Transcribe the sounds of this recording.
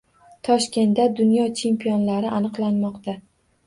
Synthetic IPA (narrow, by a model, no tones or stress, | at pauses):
t̪ʰɒʃkʲe̞nt̪ːad̪ʊnjɒt͡ʃʰe̞mpʰijɒnlaɾɪʔanɨqlˠanmɒqt̪a